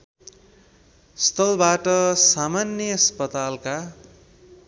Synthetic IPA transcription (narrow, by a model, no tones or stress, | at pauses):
st̪ʰʌlbaʈʌsamanjʌʌspʌt̪alka